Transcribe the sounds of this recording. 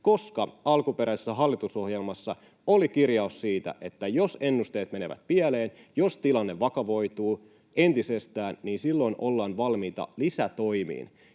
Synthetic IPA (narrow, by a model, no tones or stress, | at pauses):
ko̞skɑɑlkupeɾʔæisesːæɦɑlːit̪uso̞hjelmɑsːɑ̰ | olikirjɑussiːt̪æ̰ʔe̞t̪ːæjose̞nːust̪e̞ːt̪meneʋæ̰t̪̚piæleːnjost̪ilɑnːeʋʋɑkɑʋo̞jt̪uː | ʔent̪isest̪æːnniːnsilːo̞inʔolːɑːnʋɑlmiːt̪ɑ̰lisæt̪o̞jmḭːn